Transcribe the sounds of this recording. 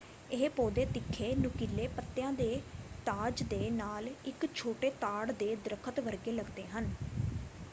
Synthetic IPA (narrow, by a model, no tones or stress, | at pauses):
ɪɦpoːd̪eːt̪ɪkʰːeːnʊ̃ːkilːeːpət̪ːejãːd̪eːt̪aːd͡ʒd̪eːnaːlɪkt͡ʃʰoːʈeːt̪aːɽd̪eːd̪ɾəkʰət̪ʋəɾɡeːləɡd̪eːɦən